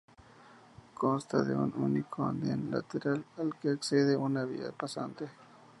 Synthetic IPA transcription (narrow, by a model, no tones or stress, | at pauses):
konst̪aðḛununikʰoa̰nd̪jenla̰t̪eɾalalkeːkseðeʔunaβia̰pasa̰nt̪e